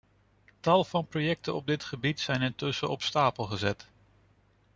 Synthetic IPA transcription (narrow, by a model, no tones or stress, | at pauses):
tɑlˠv̥ɑnprojɛk̚tənɔb̚dɪtχəbitsɛjnɪntɵsəɔpstaːpəlˠχəzɛt